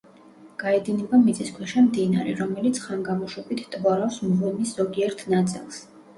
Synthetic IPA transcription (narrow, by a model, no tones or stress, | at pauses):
ɡ̥aɛd̪inɛbamit̪sʼiskʰwɛʃɛmd̪inaɾɛ̰ɾɔmɛlit̪sʰχaŋɡamɔʃwɛbit̪ʰt̪ʼvɔɾafsmʁunisz̥ɔɡiɛɾt̪ʰnat̪sʼḭlˠs